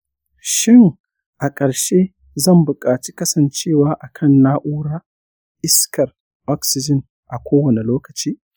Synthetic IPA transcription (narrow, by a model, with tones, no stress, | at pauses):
ʃɪ˦ŋ | ʔa˨kʼɐ˨ɾʃe˦ | zɐ˦˨mbʊ˨kʼaː˨t͡ʃi̥˦kɐ˦sɐ˨nt͡ʃeː˦˨waː˦ʔa˨kʰɐ˦˨nːaː˦ʔuː˦ɽaː˦ | ʔɪ˦skʰɐ˨r | ʔɔ˦ksɪ˨d͡ʒɪ˦˨n | ʔa˨kʷoː˦wɐ˨ne˨loː˦kɐ˨t͡ʃiː˦